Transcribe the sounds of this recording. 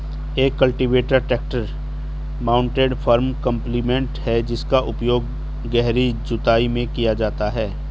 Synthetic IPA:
eːkːɐlʈiʋeːʈəɾʈɛːk̚ʈəɾ | maːʊ̃ɳʈeːɖfʰəːɾmkə̃mpliːmẽɳʈhɛd͡ʒɪskaʔʊpjoːɡ̚ | ɡɛɦɾid͡ʒʊt̪aːimẽkijad͡ʒaːt̪aɦɛː

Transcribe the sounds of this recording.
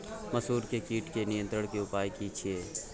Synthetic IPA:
məsuːɾkekiːʈkenɪjə̃nt̪ɾəɽ̃keʊpaːjkit͡ʃʰieː

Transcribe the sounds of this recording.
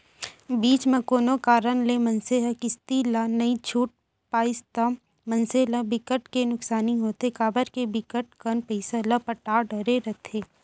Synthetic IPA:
biːt͡ʃmẽkoːnokaːɾənlemɐnseɦəkɪst̪ilanɐit͡ʃʰuːʈ̚ | paːɪst̪am | mɐnseləbɪkəʈkenʊksaːniɦoːt̪ekaːbəɾkebɪkəʈ̚kənpɛɪsalɐpəʈaːɖɐɾeɾɐt̪ʰeː

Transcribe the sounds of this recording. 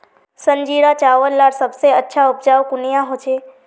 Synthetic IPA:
səɲd͡ʒiɽat͡ʃaʋəɾlaɾsəbseətːʃʰaupd͡ʒaʋkunijaɦot͡ʃʰe

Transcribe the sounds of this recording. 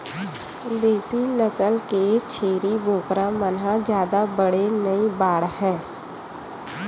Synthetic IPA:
d̪eːsinət͡ʃəlket͡ʃʰeːɾiboːkɾamənɦãd͡ʒjaːd̪abəɽenəibaːɽhɛ̃ː

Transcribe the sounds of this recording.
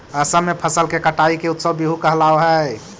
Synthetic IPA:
əsəmmːepʰəsəlkekəʈaikeut̪səbbiɦukəɦlaoɦə

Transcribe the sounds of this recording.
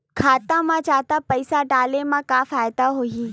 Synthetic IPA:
kʰaːt̪ãmãt͡ʃaːt̪apɐɪsaɖaːlemãkaːfaːjd̪aɦoiː

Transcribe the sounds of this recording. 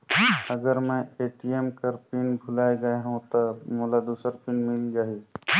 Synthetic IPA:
əɡəɾmɛ̃eːʈiemkəɾpɪnbʱʊlaːeɡəeɦũt̪ɔmolad̪uːsəɾpɪnmɪlɡəi

